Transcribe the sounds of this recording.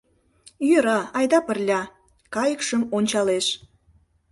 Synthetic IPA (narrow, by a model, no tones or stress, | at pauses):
jøɾɑɑjd̪ɑpərlʲɑ | kɑjəkʃəmonʲt͡ɕɑleʃ